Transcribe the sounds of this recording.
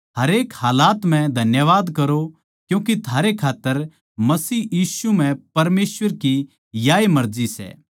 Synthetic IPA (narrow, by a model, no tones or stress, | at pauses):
ɦɐɾeːkhaːlaːt̪m̤ɛ̃d̪ʱɐnjəʋaːd̪kɐɾo | kjũːkit̪ʰaːɾekʰaːt̪ːəɾ | mɐsiːjiːsum̤ɛ̃pɐɾmeːsʋəɾki | jaːemɐɾd͡ʒisɛ̰ː